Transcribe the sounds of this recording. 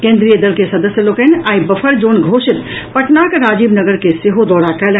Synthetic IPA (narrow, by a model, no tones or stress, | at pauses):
kẽːnd̪ɾijəd̪əlkesɐd̪əsjəloːkenaːibɐfʰəɾd͡ʒoːnɡʱoːʃɪt̪pɐʈnaːkɾaːd͡ʒiːbnəɡəɾkeseɦod̪ɔːɽakɐl